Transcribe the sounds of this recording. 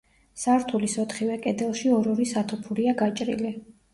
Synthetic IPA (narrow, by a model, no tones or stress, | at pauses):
saɾt̪ʰulisɔt̪ʰχivɛkʼɛd̪ɛlˠʃiɔɾɔɾisat̪ʰupʰuɾiaɡat͡ʃʼɾḭli